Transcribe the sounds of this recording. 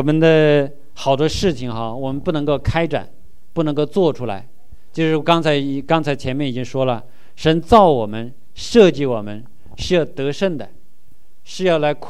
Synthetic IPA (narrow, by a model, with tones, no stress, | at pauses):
wɔ˩mə˦nd̪ə˧ | xɑ˨˩ʊt̪wɔ˥ʂɻ̩˥˩t͡ɕʰi˩ŋxɑ˧wɔ˨˩mə˦npu˥˩nɤ˧˥ŋko˥˩ʊkʰa˥ɪʈ͡ʂa̰˨˩˦n | pu˥˩nɤ˧˥ŋko˥˧ʊt͡swɔ˥˩ʈ͡ʂʰu˥la̰˧˥ɪ | t͡ɕjo˥˧ʊʂɻ̩˥˩˧kɑ˥ŋt͡sʰa˧˥ɪi˨˩kɑ˥ŋt͡sʰa˧˥ɪt͡ɕʰjɛ˧˥mjɛ˥˩ni˨˩t͡ɕi˥ŋʂwɔ˥lə˨ | ʂə˧˥nt͡sɑ˥˩ʊwɔ˨˩mə˦n | ʂɤ˥˧t͡ɕi˥˩wɔ˨˩mə˦n | ʂɻ̩˥˧jɑ˥˩ʊt̪ɤ˧˥ʂə˥˩nd̪ə˩ | ʂɻ̩˥˧jɑ˥˩ʊla˧˥ɪkʰ